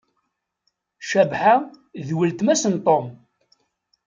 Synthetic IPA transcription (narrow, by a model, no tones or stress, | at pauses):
ʃæbħa | ðwəlt̪mæsənt̪ˤom